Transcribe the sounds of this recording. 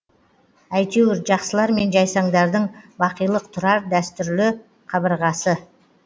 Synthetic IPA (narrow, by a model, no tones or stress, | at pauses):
æjt̪ewɪɾʒɑqsəlˠɑɾme̞nʒɑjsɑɴd̪ɑɾd̪əɴbɑqəjlˠəq̚t̪ʰʊɾɑɾd̪æst̪ʏɾlɪ | qʰɑβəɾʁɑsə